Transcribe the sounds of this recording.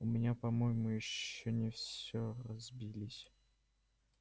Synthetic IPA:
ʊmʲɪnʲapɐmojɪmʊjɪɕːonʲɪfsʲoɾɐzbʲilʲɪsʲ

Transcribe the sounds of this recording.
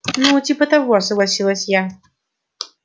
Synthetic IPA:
nutʲipət̪avoɐsəɡlˠasʲilˠəsʲja

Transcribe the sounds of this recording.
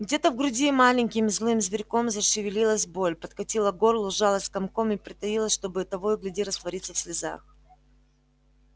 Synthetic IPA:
ɡdʲe̞t̪əvɡɾʊdʲimalʲɪɲʲkʲɪmzlˠɨmzvʲɪɾʲko̞mzɐʂɨvʲɪlʲilˠəsʲbo̞lʲpət̪kɐtʲilˠəɡo̞rlˠʊʐalˠəsʲkɐmko̞mɪpɾʲɪt̪ɐjilˠəsʲʂt̪o̞bɨɐt̪ɐvojʊɡlʲɪdʲiɾəst̪vɐɾʲit̪səfsʲlʲɪza̰x

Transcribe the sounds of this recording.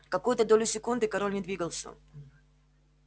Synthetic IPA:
kɐkujʊt̪əd̪olʲʊsʲɪkund̪ɨkɐɾolʲnʲɪd̪vʲiɡəlˠsʲə̰

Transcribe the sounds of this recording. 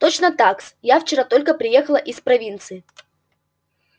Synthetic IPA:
t̪ot͡ɕnət̪aksjaft͡ɕɪɾat̪o̞lʲkəpɾʲɪje̞xəlˠəʔɪspɾɐvʲint̪sɨɪ

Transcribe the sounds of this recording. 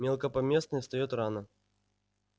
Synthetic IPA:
mʲelˠkəpɐmʲesnəst̪ɐjɔt̪ɾanə

